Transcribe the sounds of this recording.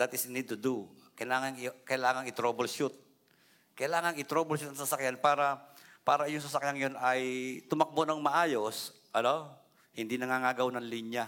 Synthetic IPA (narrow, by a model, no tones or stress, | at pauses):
d̪at̪ɪsnid̪̚t̪ʊd̪u | kɐjlaːŋɐnkɐjlaːŋɐŋɪt̪ɾobɐlʃut̪̚ | kɐjlaːŋɐŋɪt̪ɾobɐlʃut̪ɐŋsɐsɐkjanpaːɾɐ | paːɾɐɪjʊŋsɐsɐkjaŋjonɐjt̪ʊmɐk̚bonɐŋmɐʔaːjo̞s | ʔɐno | hɪnd̪inɐŋaŋaːɡɐwnɐŋliɲja